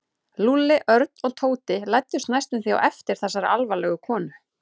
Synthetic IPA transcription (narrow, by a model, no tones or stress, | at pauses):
lulːɪʔœɾt̪̚nɔɣt̪ʰoːwt̪ɪlajt̪ːʏ̥st̪najst̪ʏmθia̰wʔɛft̪ɪɾ̥θɛsːaɾa̰ʔalvalɛɣʏkʰɔːnʏ